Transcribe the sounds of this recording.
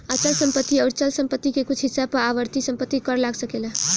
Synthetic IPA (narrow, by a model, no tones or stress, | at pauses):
at͡ʃəlsəmpət̪ːiʌʊɾt͡ʃəlsəmpət̪ːikekut͡ʃʰɦisːab̚pəɾaʋəɾt̪isə̃mpət̪ːikəɾlaɡsəkela